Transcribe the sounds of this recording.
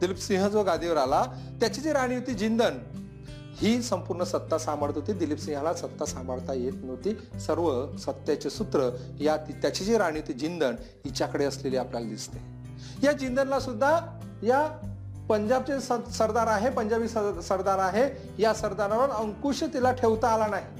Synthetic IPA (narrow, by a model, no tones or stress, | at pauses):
d̪ilipsĩɦəd͡zoɡad̪ʱiʋəɾala | t̪jat͡ɕid͡ʑiɾaɽ̃juwt̪iːd͡ʑind̪ən | hiːsəmpuɾɳəsət̪ːasaməɾt̪ʰot̪iːd̪ilipsĩɦalasət̪ːasambəɭt̪ajet̪not̪isəɾʋəsət̪ːjat͡ɕesut̪ɾə | jat̪it̪jat͡ɕid͡ʑiɾaɽ̃jiwt̪iːd͡ʑind̪ən | it͡ɕakəɽeəsleliːapljalad̪ist̪e̥ | jad͡ʑind̪ənlasud̪ʱːa | ja | pəɲd͡ʑab̚t͡ɕessəɾd̪aɾaɦepəɲd͡ʑabisəɾd̪aɾaɦe | jasəɾd̪anaʋəɾəŋkuʂət̪ilaʈʰeʋt̪aːlanaɦi